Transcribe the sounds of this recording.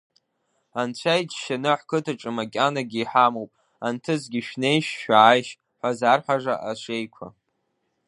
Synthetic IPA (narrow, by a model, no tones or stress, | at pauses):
ant͡ɕʷʰajd͡ʒʃanɨħkʰɨtʰɨʈ͡ʂʼɨmakʲʼanaɡʲiːħamowpʼ | antʰɨzɡʲiʃᶣne̞jʃːaːjʃ | ħʷazarħʷaʐa̰ʔaʃʷe̞jkʷʰa̰